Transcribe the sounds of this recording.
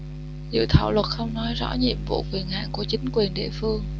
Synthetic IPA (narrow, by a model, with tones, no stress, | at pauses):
zɨ̰˧˨t̪ʰaː˧˩˨wlwə˨˩t̚xə˧wŋ͡mnɔ˨˦jzɔ̰˧˥ɲḭ˧˨mvṵ˧˨kwi˨˩ənha̰ː˧˨ŋku˧˩ət͡ɕï˨˦ŋ̟kwi˨˩ənɗḭ˧˨əfɨ˧əŋ